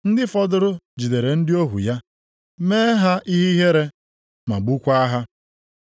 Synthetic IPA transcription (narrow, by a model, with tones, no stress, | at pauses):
n̩˦dɪ˦fɔ˦dʊ˦ɾʊ˦d͡ʒi˨de˨ɾe˨n̩˦dɪ˦o˦ɦṵ˨ja˦ | meː˦ɦa˦ʔi˦ɦi˦ɦe˦ɾe˦ | ma̰˨ɡ͡bu˦kʷa˦a˦ɦa˦